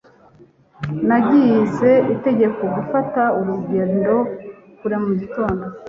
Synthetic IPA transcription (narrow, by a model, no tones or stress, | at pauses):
naɟijze̞ite̞ɟe̞ko̞ɡufatauɾuɟeːndo̞ | kuɾemuɟito̞ːndo